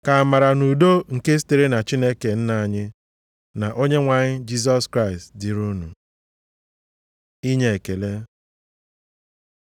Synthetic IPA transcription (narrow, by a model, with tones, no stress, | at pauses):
ka˨a˨ma˨ɾa˨nu˨do˦ŋ̩˨ke˦s̬i̥˦te˨ɾe˦na˨t͡ʃi˦ne˦ke˨n̩˦na˨ɲɪ˦ | na˨ʔo˦ɲe˦ŋʷa˨ɲɪ˦d͡ʒi˦s̬ɔ˦skɾa˦ɪ˨stdi˨ɾu˦nṵ˨ | i˦ɲe˨e˨ke˨le˦